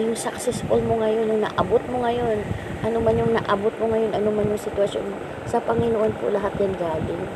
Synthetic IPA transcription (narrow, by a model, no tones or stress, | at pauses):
jʊŋsɐksɛsfolmoŋɐjo̞njʊŋnɐ̰ʔɐbot̪̚moŋɐjo̞n | ʔɐnomanjʊŋnɐ̰ʔɐbot̪̚moŋɐjo̞nʔɐnomanjʊŋsɪt̪wɐso̰nmo | sɐpɐŋɪnoʔonpo̰lɐɦat̪̚jɐnɡaːlɪŋ